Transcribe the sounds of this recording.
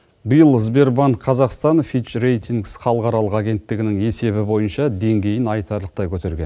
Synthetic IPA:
bijəlˠzbe̞ɾbɑnt̪qʰɑzɑqst̪ɑnfiʃɾe̞jt̪iŋɡsχɑlˠəqɑɾɑlˠəqɑɡʲe̞nt̪ːɪɡʲɪnɪŋe̞se̞βɪbo̞jənʃɑd̪e̞ŋɡʲe̞jɪnɑjt̪ɑɾlˠəq̚t̪ɑjkʲʰɵt̪e̞ɾɡʲen

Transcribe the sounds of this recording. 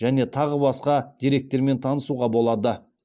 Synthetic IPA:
ʒæne̞t̪ʰɑʁəbɑsqɑd̪̥ʲiɾe̞k̚t̪ːe̞ɾme̞nt̪ʰɑnəsuʁɑbo̞lˠɑd̪ə

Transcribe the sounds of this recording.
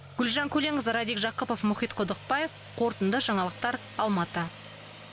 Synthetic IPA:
ɡ̥ʲʏlʒɑŋkʲʰɵle̞ɴəzɾɑd̪ikʒɑqəpofmʊχijt̪qʰod̪əq̚pɑje̞f | qʰo̞ɾt̪ənd̪əʒɑɴɑlˠəq̚t̪ɑɾ | ɑlˠmɑt̪ə

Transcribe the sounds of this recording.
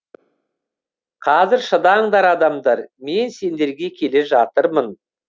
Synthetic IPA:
qʰɑzɪɾʃəd̪ɑɴd̪ɑɾɑd̪ɑmd̪ɑɾme̞nse̞nd̪e̞ɾɡʲe̞kʲʰe̞le̞ʒɑt̪əɾmən

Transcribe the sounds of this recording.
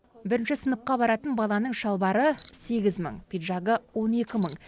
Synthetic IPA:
bɪɾɪnʃɪsənəp̚qɑbɑɾɑt̪ənbɑlˠɑnəɴʃɑlˠbɑɾəse̞ɡʲɪzmə̰ɴpʰijd̪ʒɑɡəwo̞ne̞kʲɪməɴ

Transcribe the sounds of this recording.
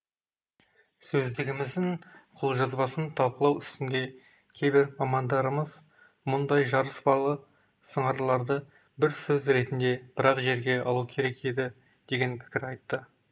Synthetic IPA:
sɵzd̪ɪɡʲɪmɪzd̪ɪŋqʰʊlˠʒɑzbɑsənt̪ʰɑlˠqəlˠɑwʏst̪ɪnd̪e̞ | kʲʰe̞jbɪɾmɑmɑnd̪ɑɾəməz̥ | mʊnd̪ɑjʒɑɾəsbɑlˠə | səɴɑɾəlˠɑɾd̪ə | bɪɾsɵzɾe̞t̪ɪnd̪e̞b̥ɪɾɑqʒe̞ɾɡʲe̞ɑ̰lˠukʲʰe̞ɾe̞ke̞d̪ɪ | d̪̥e̞ɡʲe̞npʰɪ̥kʲɪɾɑjt̪ːə

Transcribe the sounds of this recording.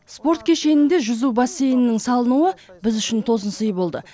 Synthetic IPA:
spo̞rt̪̚kʲʰe̞ʃe̞nɪnd̪e̞ʒʏzubasːe̞jnɪnɪŋsɑlˠənuəbɪzʏʃɪnt̪ʰo̞zənsəjbo̞lˠd̪ə̰

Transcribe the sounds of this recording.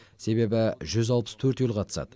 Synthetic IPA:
se̞be̞bɪʒʏzɑlˠpə̥st̪ʰɵɾt̪julˠqʰɑt̪ə̥sɑ̰d̪̥ə

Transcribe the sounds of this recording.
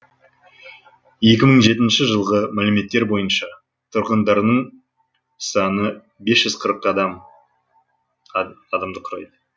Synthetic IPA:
je̞kʲɪməɴʒe̞t̪ɪnʃɪʒəlˠʁəmælɪme̞t̪ːe̞ɾbo̞jənʃɑ | t̪ʰʊɾqənd̪ɑɾnəɴ | sɑnə | be̞sʒʏz̥qʰəɾəqːɑd̪ɑm | ɑd̪ɑmd̪əqʰʊɾɑ̰jd̪ə

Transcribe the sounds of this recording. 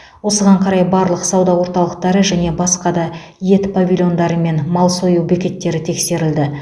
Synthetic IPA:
wo̞səʁɑɴqʰɑɾɑjbɑɾlˠəqsɑwd̪ɑwoɾt̪ɑlˠəq̚t̪ɑɾəʒæne̞bɑsqɑd̪ɑ | je̞t̪pavʲilʲjo̞nd̪ɑɾəme̞nmɑlˠsojuwbekʲe̞t̪ːe̞ɾɪt̪ʰe̞kse̞ɾɪld̪ɪ

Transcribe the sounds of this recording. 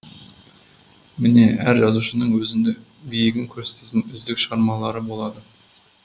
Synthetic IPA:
mɪne̞æɾʒɑzuʃənəɴwɵzɪnd̪ebijɪɡʲɪŋkʲʰɵɾse̥t̪et̪ɪnʏzd̪ɪkʃʁɑɾmɑlˠɑɾəbo̞lˠɑd̪ə

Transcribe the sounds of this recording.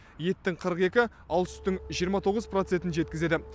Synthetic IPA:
je̞t̪ːɪŋqʰəɾəqe̞kʲɪ | ɑlˠt̪ʏ̥st̪ɪŋʒijəɾmɑt̪ʰo̞ʁəzprot̪se̞nt̪ɪnʒet̪kʲɪze̞d̪ɪ

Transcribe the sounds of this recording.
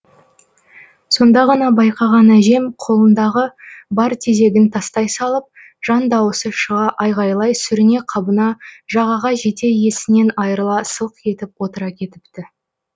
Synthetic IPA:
so̞nd̪ɑʁɑnɑbɑjqɑʁɑnæʒe̞mqʰo̞lˠənd̪ɑʁəbɑɾt̪ʰeze̞ɡʲɪnt̪ʰɑst̪ɑjsɑlˠəp̚ | ʒ̥ɑnd̪ɑwəsəʃəʁɑʔɑjʁɑjlˠɑjsʏɾɪne̞qʰɑbənɑʒɑʁɑʁɑʒe̞t̪e̞je̞sɪne̞nɑjəɾəlˠɑsəlˠqkʰe̞t̪ɪpwo̞t̪əɾɑkʲʰe̞t̪ɪ̥pt̪ɪ

